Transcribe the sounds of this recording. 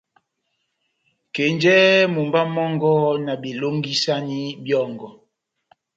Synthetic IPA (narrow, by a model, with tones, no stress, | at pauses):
ke˨nd͡ʒɛ˦mu˨mba˦mɔ˦ŋɡɔ˦na˨bi˨lo˦ŋɡi˦sa˦ni˦bjɔ˦˨ŋɡɔ˨